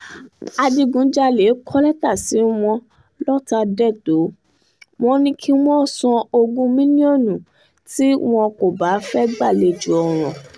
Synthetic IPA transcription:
a˧di˧ɡũ˨˦d͡ʒa˦le˨˦kʰɔ˦lɛ˦ta˦˨si˨˦w̃ɔ̃˧ | lɔ˦ta˧dɛ˦˨to˨˦ | w̃ɔ̃˦nĩ˦kʰi˦wɔ̃˦˨sɔ̃˧o˧ɡũ˦mĩ˦nĩ˦ɔ̃˦˨nũ˨ | ti˦w̃ɔ̃˧ko˨ba˨˦fɛ˦ɡ͡ba˦˨le˧˨d͡ʒu˨˦ɔ˨ɾ̃ɔ̃˨

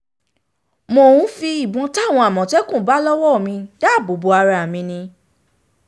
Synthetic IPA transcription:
mo˧wũ˦fi˧i˦˨bɔ̃˨˧˦ta˦˨w̃ɔ̃˧a˨mɔ̃˨tɛ˦kũ˦˨˦ba˨˦lɔ˦wɔ˦˨mĩ˧da˦˨bo˨˦bo˧a˧ɾa˧˨a˨mĩ˧nĩ˧

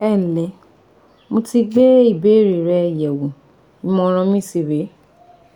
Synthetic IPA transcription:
ɛ˦˨n̩˨lɛ˨˦ | mo˧ti˧ɡ͡be˦i˦˨be˨˦˨ɾi˨ɾɛ˧˨jɛ˨wũ˨ | ĩ˨˦mɔ̃˧ɾ̃ã˧mĩ˦˨si˧˨be˨˦

